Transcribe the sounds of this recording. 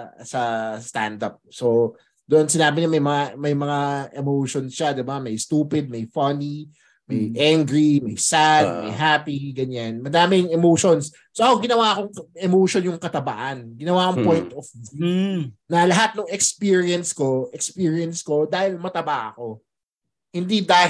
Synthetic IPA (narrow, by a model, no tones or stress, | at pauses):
sɐst̪a̰nd̪ɐp̚so | d̪oʔonsɪnaːbɪɲɐmɐjmɐŋamɐjmɐŋaʔɛmowʃonsʃad̪ɪbamɐjst̪uːpɪd̪̚mɐjfɐni | mɐjʔaŋɡɹimɐjsad̪̚mɐ̰jɦaːpiɡɐɲanmɐd̪aːmɪŋɛmowʃons | soʔɐkoɡɪnɐwaɐko̞ŋʔɛmowʃonjʊŋkɐt̪ɐba̰ʔɐnɡɪnɐwaʔkoŋpojnt̪ofvunɐlɐɦat̪̚nʊŋɛkspiɹiɐnsko̞ʔɛkspiːɹiɐnsko̞d̪aːhɪlmɐt̪ɐbaʔɐko̞ | hɪnd̪id̪aː